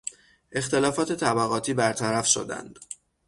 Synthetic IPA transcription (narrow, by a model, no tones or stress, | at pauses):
ʔe̞xt̪e̞lɒːfɒːt̪ʰe̞t̪ʰæbæɣɒːt̪ʰiːbæɾt̪ʰæɾæfʃo̞̰d̪æ̰nd̪̥